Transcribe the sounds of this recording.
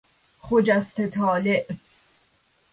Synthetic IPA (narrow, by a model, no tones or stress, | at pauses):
χod͡ʒæst̪ʰet̪ʰɒːleʔ